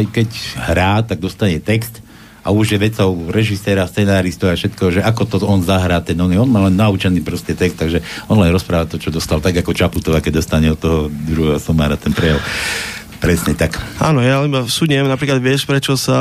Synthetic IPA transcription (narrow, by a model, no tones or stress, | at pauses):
jkɛchɾaːt̪aɡ̚d̪ɔst̪aɲɛt̪ɛkst̪ | ʔa̰uʒjɛʋɛt͡sɔʊɾɛʒisɛːɾast͡sɛnaːɾist̪ɔʊafʃɛt̪kɛʒɛʔakɔt̪ɔɔnzaɦɾaːt̪ɛnɔɡɛɔnmaːlɛnːaut͡ʃɛniːpɾɔscɛt̪ɛkst̪ːaɡʒɛɔnlajnɾɔspɾaːʋat̪ɔt͡ʃɔd̪ɔst̪alt̪aɡakɔt͡ʃaput̪ɔʋaːkɛɟ̚d̪ɔst̪aɲɛɔt̪ːɔɦɔd̪ɾuɦɛɦɔsɔmaːɾat̪ɛnpɾɛjal | pɾɛsɲɛt̪akanɔjaibafsuɲɛmnapɾiːklad̪ʋɪɛʃpɾɛt͡ʃɔsa